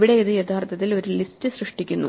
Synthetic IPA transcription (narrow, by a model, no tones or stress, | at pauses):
ʋiɽe̞iðɨjet̪ʰaːrt̪ʰɐt̪ːilo̞ɾulistɨsrɨʂʈikʲːunːṵ